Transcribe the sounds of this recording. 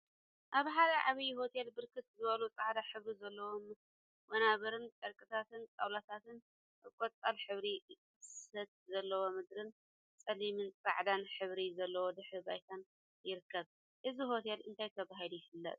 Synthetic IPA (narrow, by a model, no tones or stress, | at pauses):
ʔaβħad̪ɐʕaβijho̞t̪ʰe̞lbɨɾkʰɨt̪zɨβɐlut͡sʼaʕd̪aħɨβɾizɐlːɐwom | mɐnaβɐɾɨnt̪ʼɐɾkʼɨt̪ʰat̪ɨnt͡sʼa̰wlat̪ʰat̪ɨn | ʔɨkʷʼot͡s̪ʼalħɨβɾi | sɐt̪̚zɐlːɐwo̞mɨd̪ɾɨn | t͡sʼɐlimɨnt͡sʼa̰ʕd̪anħɨβɾizɐlːɐwod̪ɨħɨbajt̪ʰan | jɪɾɨkʰːɐβ | ʔɨziho̞t̪ʰe̞lʔɨ̰nt̪ʰajt̪ʰɐβaɦilujɪfɨlːɐ̰t̪ʼ